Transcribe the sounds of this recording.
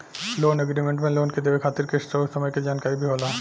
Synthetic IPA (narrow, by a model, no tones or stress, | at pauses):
loneɡɾimeɳʈmenlonked̪ebekʰat̪iɾkeʃʈɾoʃɔmɔjked͡ʑankaibʱiɦola